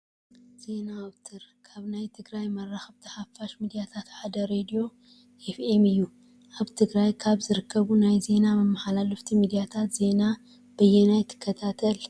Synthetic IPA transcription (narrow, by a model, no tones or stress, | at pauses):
z̥e̞naβt̪ʰɨɾkʰaβnajt̪ʰɨɡɾajmɐrːaxɐβt̪ʰɐħafːaʃmid̪ijat̪ʰat̪ħad̪ɐɾed̪ijo̞ | efemɨjːu | ʔaβt̪ʰɨɡɾajkʰaβzɨɾɨkʰːɐβunajze̞namɐmːaħalalɐft̪ʰimid̪ijat̪ʰat̪ze̞na | b̥ɐjenajt̪ʰːɨ̥kʰːɐt̪ʰat̪ʰɐl